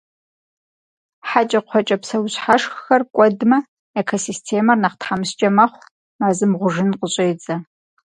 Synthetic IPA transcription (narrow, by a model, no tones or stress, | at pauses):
ħat͡ʃʼɐqʷʰɔt͡ʃʼɐpsɐwɕħaʂxxɐrkʷʼɔdmɐ | ekʰosistʰeːmɐrnɐqtħamɨst͡ʃʼɐmɐχʷ | maːzɨmʁʷʊʒɪnqəɕʼeːd͡zʼɐ